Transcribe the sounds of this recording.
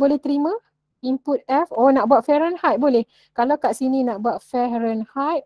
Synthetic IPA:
bolɛht̪əɾimã | imput̪̚ɛfonaʔbuaʔ̪̚fɛɾənhajt̪̚bolɛh | kalawkaʔsinĩnãʔbuaʔ̪̚fɛɾənhajt̪̚

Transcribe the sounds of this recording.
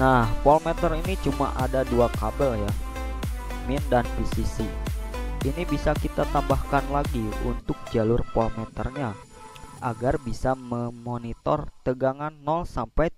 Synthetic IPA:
nahpɔlmɛt̪ərinit͡ʃuma̰ʔadaduakabəlja | mindanpisisi | inibisakit̪at̪ambahkanlaɡiṵnt̪ʊk̚d͡ʒalʊrpɔlmɛt̪ərɲa | ʔaɡarbisaməmonit̪ɔ̰rt̪əɡaŋanːɔlsampaj

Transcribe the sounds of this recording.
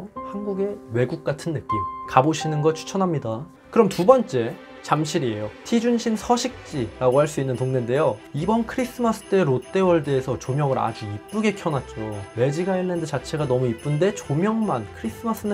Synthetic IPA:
hanɡuɡe̞we̞ɡuk̚k͈atʰɯnːɯk͈imkaboɕʰinɯnɡʌt͡ɕʰu̥t͡ɕʰʌnɦamɲida | kɯɾʌmtubʌnt͡ɕ͈e̞ | t͡ɕamɕʰiɾie̞jotʰid͡ʑunɕʰinsʰʌɕʰik̚t͡ɕ͈iɾaɡohaɭs͈uinːɯntoŋnende̞joibʌnkʰɯɾis͈ʰɯmas͈ɯ̥t͈eɾot͈e̞wʌɭde̞ːsʰʌt͡ɕomjʌŋɯɾa̰d͡ʑuip͈ɯɡe̞kʰjʌnat̚t͡ɕ͈owe̞d͡ʑiɡainːendɯt͡ɕat͡ɕʰe̞ɡanʌmuip͈unde̞t͡ɕomjʌŋmankʰɯɾis͈ʰɯmas͈ɯnɯ

